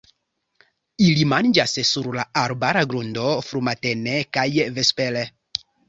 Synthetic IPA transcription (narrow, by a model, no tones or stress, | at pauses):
ilimand͡ʒassuɾlaaɾbaɾaɡɾundofɾumatenekajvespele